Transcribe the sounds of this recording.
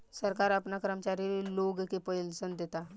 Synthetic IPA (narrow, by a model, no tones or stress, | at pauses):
səɾkaɾapnakəɾəmt͡ɕaɾiɾloɡekepəlsənd̪et̪a